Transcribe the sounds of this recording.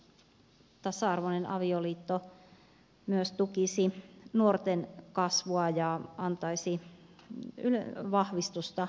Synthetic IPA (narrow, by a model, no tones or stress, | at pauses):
t̪ɑsɑɑrʋonenɑ̰ʋioliːt̪ːo | myøst̪ukisinuort̪enkɑsʋuɑjɑɑnt̪ɑisi | yløʋɑhʋist̪ust̪ɑ